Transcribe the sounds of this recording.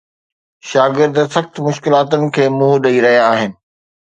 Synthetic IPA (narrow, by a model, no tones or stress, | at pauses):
ʃaːɡɪɾd̪sɐxt̪mʊʃkɪlaːt̪ʊnɪ̆kʰeːmuɦɗɐiɾɐɦijaːɦɪnɪ̆